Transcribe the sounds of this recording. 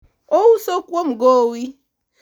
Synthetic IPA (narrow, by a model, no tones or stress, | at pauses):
owusokʷom̩ɡowi